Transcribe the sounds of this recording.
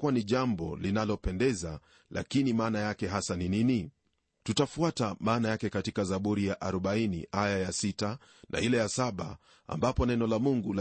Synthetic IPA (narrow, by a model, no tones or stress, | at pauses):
kuwaniʄambɔ̰linalɔpɛndɛza | la̰kinimaːnajakɛɦasaninini | tutafuatamaːnajakɛkatikazaɓuɾijaʔaɾɔɓainḭʔajajasita | nʔa̰ilɛjasaɓa̰ | a̰mbapɔnɛnɔlamuŋɡul